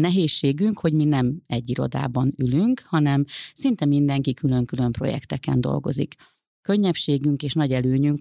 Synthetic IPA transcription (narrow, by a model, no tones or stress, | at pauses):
nɛɦeːʃːeːɡyŋkho̞ɟminɛmɛɟːiɾo̞̰d̪a̰ːbɒnylyŋkhɒnɛmsint̪ɛmind̪ɛŋkikylø̞ŋkylø̞mpro̞̰jɛ̰kt̪ɛkɛ̰nd̪o̞̰lɡo̞̰zḭk | kø̞ɲːɛpʃeːɡyŋkeːʃnɒɟɛløːɲyŋk